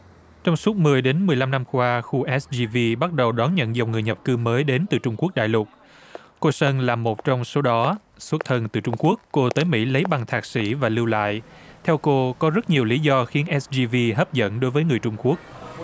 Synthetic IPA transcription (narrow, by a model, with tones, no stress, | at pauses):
t͡ɕɔ˧wŋ͡msu˦˥t̚mɨ˨˩əjɗe˨˦nmɨ˨˩əjla˧mna˧mkwaː˧xu˧ʔɛ˦˥szi˧vi˧ɓa˦˥t̚ɗə˨˩wɗɔ˨˦nɲə̰˧˨nza˨˩wŋ͡mŋɨ˨˩əjɲə˨˩p̚kɨ˧məː˨˦jɗe˨˦nt̪ɨ˨˩t͡ɕʊ˧ŋ͡mku˦˥ək̚ɗa̰ː˧˨jlʊ˨˩t̚ | ko˧sə˧nlaː˨˩mo˨˩t̚t͡ɕɔ˧wŋ͡mso˨˦ɗɔ˨˦ | su˦˥t̚t̪ʰə˧˩nt̪ɨ˨˩t͡ɕʊ˧ŋ͡mku˦˥əkːo˧t̪əː˨˦jmḭ˧˥lə˨˦jɓa˨˩ŋt̪ʰaː˨˩k̚sḭ˧˩vaː˨˩lɨ˧wla̰ː˧˨jt̪ʰɛ˧wko˧kɔ˨˦zə˦˥t̚ɲi˨˩əwli˨˦zɔ˧xi˨˦ənʔɛ˦˥szi˧vi˧ɦəː˦˥p̚zə̰˧˥nɗo˨˦jvəː˨˦jŋɨ˨˩əjt͡ɕʊ˧ŋ͡mku˦˥ək̚